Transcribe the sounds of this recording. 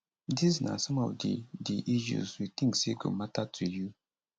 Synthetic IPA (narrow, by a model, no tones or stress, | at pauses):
disna̰sɔ̃mɔ̰vdḭdiʔiʃ̬ṵzwit̪ĩŋkseɡo̰matatʰuju